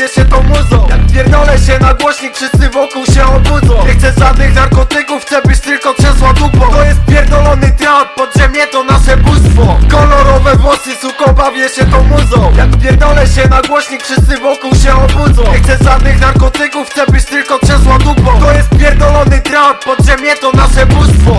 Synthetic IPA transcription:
jɛɕɛt̪ɔ̃mud̪zɔ̃wjakpʲjɛɾd̪ɔlɛɕɛnaɡwɔɕɲikfʂɘst̪sɘvɔkuwɕɛɔbud̪zɔ̃w̃ɲɛxt̪sɛʐad̪nɪxnaɾkɔt̪ɘkufxt̪sɛbɘt͡ɕt̪ɘlkɔtʂɛ̃swat̪upɔ̃t̪ɔjɛsʲjɛɾd̪ɔlɔnɘt̪ɾappɔd̪ʑɛmɲɛt̪ɔnaʂɛbust̪fɔkɔlɔɾɔvɛvwɔsɘsukɔbavʲjɛɕɛt̪ɔ̃mud̪zɔ̃wjakpʲjɛɾd̪ɔlɛɕɛnaɡwɔɕɲikfʂɘst̪sɘvɔkuwɕɛɔbud̪zɔ̃ɲw̃ɛxt̪sɛzʐad̪nɪxnaɾkɔt̪ɘkuft̪sɛbɘt͡ɕt̪ɘlkɔtʂɛ̃swad̪upɔ̃t̪ɔjɛst̪pʲjɛɾd̪ɔlɔnɘt̪ɾappɔd̪ʐɛmʲjɛt̪ɔnaʂɛbust̪fɔ

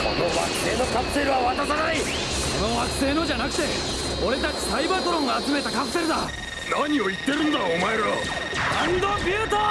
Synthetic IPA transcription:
ko̰noβa̰kɯ̟̥se̞ːno̞kapɯ̟̥se̞ɾɯ̟βaβat̪at̪anai | ko̞noβakɯ̟̥se̞ːno̞d͡ʑanakɯ̟t̪e̞ | oɾe̞t̪at͡ɕi̥saibat̪oɾõ̞ŋɡaːt͡sɨme̞t̪akapɯ̟̥se̞ɾɯd̪a | naɲ̟io̞it̪ːe̞ɾɯ̟̃nd̪aomaeɾo | and̪obʲɯːt̪o

